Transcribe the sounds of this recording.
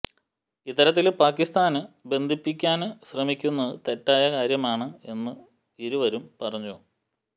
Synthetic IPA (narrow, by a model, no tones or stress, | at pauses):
it̪ːɐɾɐt̪ːilpaːkːist̪aːnɨbe̞nd̪ʱipːikʲːaːnɨɕrɐmikʲːunːɐðɨt̪e̞tːaːjɐkaːɾjɐmaːɳɨe̞nːɨ | iɾuʋɐɾumpɐrɐɲːoː